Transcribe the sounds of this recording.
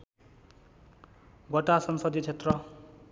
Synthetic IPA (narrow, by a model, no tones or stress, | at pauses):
ɡʌʈasʌnsʌd̪it͡sʰet̪rʌ